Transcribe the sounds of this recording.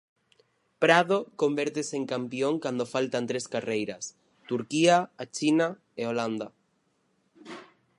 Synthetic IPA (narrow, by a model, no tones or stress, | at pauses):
pɾaðokombeɾt̪eseŋkampjoŋkand̪ofalt̪ant̪ɾeskarejɾas | t̪uɾkiaːt͡ʃina | eoland̪a